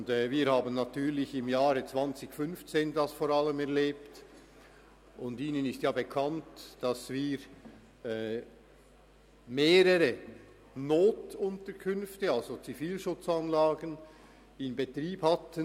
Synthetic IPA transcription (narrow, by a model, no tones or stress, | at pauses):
ndɛviːɾhaːbən̩ːatyːʁlɪçɪmjaːɾət͡sv̥ant͡sɪçfʏnft͡seːndasfoːɾaləmɛʁleːpt | ʊndiːnənɪstjaːbekʰantd̥ɑsviːɾ | ɛː | meːɾəɾə | noːtʊntəɾkʰʏnftəɑlzot͡sifiːlʃʊt͡sanlaːɡən | ɪnbetʁiːbhatən